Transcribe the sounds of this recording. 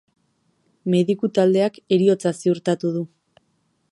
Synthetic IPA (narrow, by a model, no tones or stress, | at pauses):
me̞ðikut̪ald̪e̞ake̞ɾio̞t͡sasiuɾt̪at̪uð̞u